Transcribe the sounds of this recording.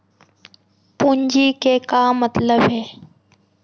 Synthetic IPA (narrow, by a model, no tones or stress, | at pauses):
puɲd͡ʑikeːkaːmət̪ləbɦeː